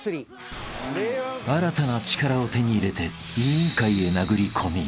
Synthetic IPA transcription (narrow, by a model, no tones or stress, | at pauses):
aɾat̪anat͡ɕi̥kaɾao̞t̪e̞ɲ̟iːɾe̞t̪e̞ | iɯ̃ŋkaie̞naɡɯ̟ɾʲikʰo̞mʲi